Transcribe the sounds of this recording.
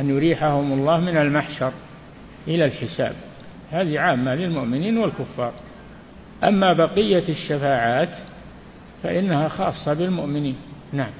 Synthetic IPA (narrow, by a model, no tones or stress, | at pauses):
ʔanjʊɾiːħahʊmʊlˤːɑːhmɪnalmaħʃɑɾˤ | ʔɪlalħɪsa̰ːb | haːðiʕaːmːalɪlmʊʔmɪniːnwɪlkʊfːɑ̰ːɾˤ | ʔamːabɑqɪjːaʃːafaːʕaːt̪ | fa̰ʔɪnːahaxɑ̰ːsˤːɑbɪlmʊʔmɪniːnnaʕam